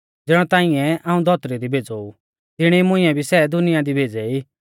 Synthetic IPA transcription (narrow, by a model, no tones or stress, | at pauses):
d͡zɪːɽ̃ɔ̃t̪ãːɪ̃ɛ̃ʔãːũd̪ʱɔt̪ɾid̪ibʱeːd͡zou | t̪ɪɽ̃imʊ̃ɪ̃ɛ̃bʱisɛd̪ʊnɪjad̪ibʱeːd͡zɛiː